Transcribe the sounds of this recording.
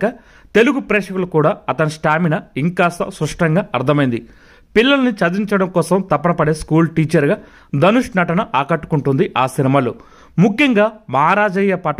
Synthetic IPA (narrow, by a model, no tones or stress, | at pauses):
kɐ | t̪e̞luɡupɾɛːʂɐkulɐkuːɽaːɐt̪ɐnisʈaːminɐiŋkaːsɐ̰sɾuʂʈɐŋɡaːɐɾt̪ʰɐmɐjind̪i | pilːɐlɐnit͡ʃɐd̪iɲt͡ʃɐɽɐmkɔːsɐmt̪ɐpːɐnɐpɐɽe̞ːskuːlʈiːt͡ʃɐɾɡaː | d̪ɐnuʂnɐʈɐnɐʔaːkɐʈːu̥kuɳʈund̪iʔaːsinimaːlu | mukʰːjɐŋɡaːmɐɦaɾaːd͡ʒɐjɐpɐʈ